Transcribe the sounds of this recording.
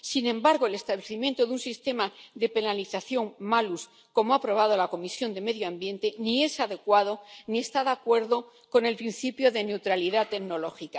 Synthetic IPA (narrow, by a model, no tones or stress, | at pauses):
sinẽ̞mbaɾɣ̞oe̞le̞st̪aβleθimje̞nt̪oðunsist̪e̞maðe̞pe̞naliθaθjo̞ŋmalus | ko̞moapɾo̞βaðo̞lako̞misjo̞nd̪e̞me̞ðjoãmbje̞nt̪e̞nie̞saðe̞kwaðo̞nie̞st̪aðakwe̞ɾðo̞ | ko̞ne̞lpɾin̟θipjo̞ðe̞ne̞wt̪ɾaliðat̪e̞ɡno̞lo̞xika